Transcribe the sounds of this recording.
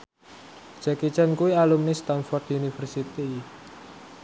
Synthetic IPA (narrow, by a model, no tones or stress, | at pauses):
d͡ʒ̥akit͡ʃankuialumnist̪anfɔrt̪unifərsit̪i